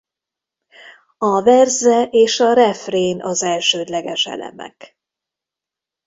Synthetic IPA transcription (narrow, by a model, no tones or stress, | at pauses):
ɒvɛrzɛʔeːʃɒɾɛfreːnʔɒzɛlʃøːd̪lɛɡɛʃɛ̰lɛ̰mɛ̰k